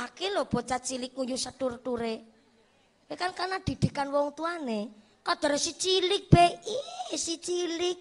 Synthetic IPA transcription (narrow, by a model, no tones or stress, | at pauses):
akelob̥ɔ̤t͡ʃat͡ʃilɪk̚ŋujusəturt̪uɾe | wekankanad̪̥i̤d̪̥i̤kanwɔŋt̪uane | kɔd̪̥ɔ̤ɾsit͡ʃilɪk̚b̥ɛisit͡ʃilɪk̚